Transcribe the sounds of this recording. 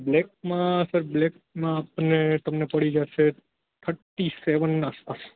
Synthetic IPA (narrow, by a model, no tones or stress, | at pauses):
blek̚mãsəɾblek̚ | mãːpnet̪əmnepəɽid͡ʒaʃe | t̪ʰəʈːiseʋənaspas